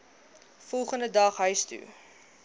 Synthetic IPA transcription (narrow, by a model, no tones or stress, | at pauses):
fɔlˠχəndədɐχɦœɥstṵ